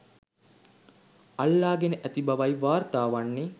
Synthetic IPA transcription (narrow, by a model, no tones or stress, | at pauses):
alːaːɡenəʔæt̪ibɐʋajʋaːrt̪aːʋanːe